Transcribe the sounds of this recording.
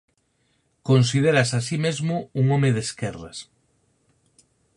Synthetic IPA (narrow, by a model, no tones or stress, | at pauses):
konsið̞eɾasasimezmʊuŋomeðeskɛrɐ̰s